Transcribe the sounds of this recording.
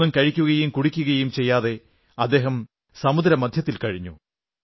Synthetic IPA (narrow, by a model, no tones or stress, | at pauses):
umkɐɻikʲːuɣɐjumkuɽikʲːuɣɐjumt͡ɕe̞jːaːðe̞ | ɐd̪ːe̞ːɦɐm | sɐmud̪ɾɐmɐd̪ʱjɐt̪̬ːilkɐɻiɲːṵ